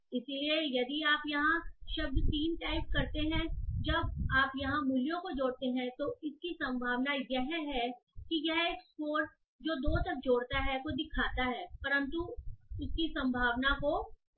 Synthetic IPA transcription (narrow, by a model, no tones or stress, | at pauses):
ɪsiliejɐd̪iaːpjɐɦãʃɐb̚d̪t̪iːnʈaːɪp̚kɐɾt̪eɦɛ̃d͡ʒɐbaːpjɐɦãmʊljõkod͡ʒoːɽt̪eɦɛ̃t̪oɪskisɐ̃mbʱaːʋnajɛɦɦɛkijɛɦeːkskoːɾ | d͡ʒoːd̪oːt̪ɐk̚d͡ʒoːɽt̪aɦɛkod̪ɪkʰaːt̪aɦɛːpɐɾə̃nt̪uʊskisɐ̃mbʱaːʋnako